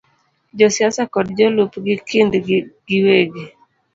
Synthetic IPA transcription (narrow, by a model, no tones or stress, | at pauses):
d͡ʒɔsjasakɔdd͡ʒolupɡɪkɪndɡ̥ɪweɡe